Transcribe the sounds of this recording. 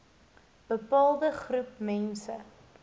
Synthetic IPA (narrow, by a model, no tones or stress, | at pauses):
b̥əpɑːlˠdəχrupmɛnsə̰